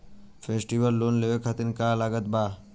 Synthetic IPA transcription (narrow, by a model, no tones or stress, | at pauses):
fʰeːsʈiʋəlːoːnleʋekʰat̪inkaːlaːɡət̪̚baː